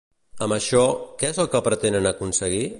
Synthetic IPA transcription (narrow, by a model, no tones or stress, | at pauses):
əməʃɔkɛezəlˠkəpɾət̪enənəkunsəɣi